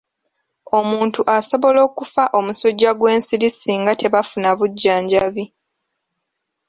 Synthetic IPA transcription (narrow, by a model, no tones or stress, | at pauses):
o̞muːntuʔaso̞βo̞lo̞ːkufaʔo̞muso̞ɟːaɡwe̞ːnsiɾisiːŋɡate̞βafunaβuɟːaːɲɟaβi